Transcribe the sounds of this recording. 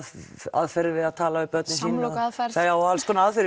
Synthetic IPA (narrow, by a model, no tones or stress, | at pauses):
a̰ðfɛɾðɪvɪðaðt̪ʰaːlavɪɾpœt̪nɪsiːnafɛθaawalskʰɔːnaaðfɛɾ